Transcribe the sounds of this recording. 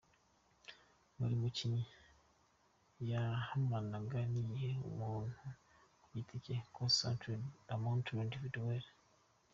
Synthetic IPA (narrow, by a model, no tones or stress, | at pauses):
mṵɾimuciɲi | jahamanaɡanijeṵmuːn̥hu | jitʰicekʰosã̰ntɾdamontɾndividweɾ